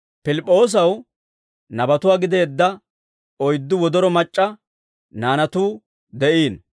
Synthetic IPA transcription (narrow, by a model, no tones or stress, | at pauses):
pɪlɪpʼːo̞ːs̬ɐw | nɐbɐt̪ʊwaːɡɪd̪eːd̪ːɐ | ɔjd̪ːʊwɔd̪ɔɾɔmɐt͡ʃʼːɐ | naːnɐt̪uː | d̪ɛʔiːn